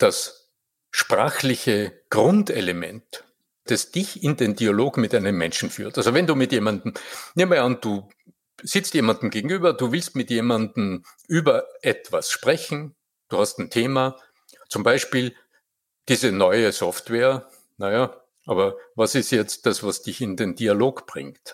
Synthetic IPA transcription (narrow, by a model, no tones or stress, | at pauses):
d̥as | ʃpʁ̥a̰ːxlɪçəɡ̥ʁʊnteləmɛ̰ntː | d̥asd̥ɪçɪndeːndialoːɡmɪtʔaɪnəmːɛ̰̃nʃn̩fy̰ːɐtʔalzovɛnduːmɪtjeːmandn̩neːmmɐand̥uː | z̥ɪt͡stjeːmandn̩ɡ̥eːɡŋ̩yːbɐduːvɪlstmɪtjeːmandn̩ʔyːbɐʔɛtv̥asʃpʁ̥ɛçn̩ | d̥uːhastn̩tʰeːma | t͡sʊmbaɪʃpiːl | d̥iːzənɔʏəsɔftveːɐ | naja | ʔaːbɐvasɪstjɛt͡st̚d̥asvasd̥ɪçɪndendialoːkb̥ʁɪ̰̃ŋkt